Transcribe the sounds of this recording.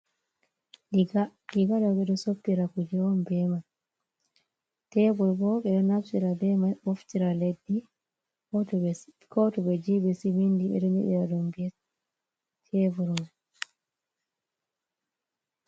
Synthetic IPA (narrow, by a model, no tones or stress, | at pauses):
liɡadɔɓɛɗɔsopːiɾakud͡ʒɛɔmbɛman | tɛbuɾbɔɓɛɗɔnafsiɾabɛmanoftiɾaledːi | kɔtɔ | kɔtɔɓɛd͡ʒibɛsimindiɓɛ̰ɗɔnḭɗḭɾadɔmbɛ | tʰɛvuɾman